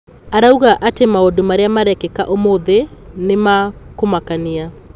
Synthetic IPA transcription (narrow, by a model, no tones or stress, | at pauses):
aɾauɣaʔatemaodomaɾeamaɾɛkɛkaʔomoðenemakomakania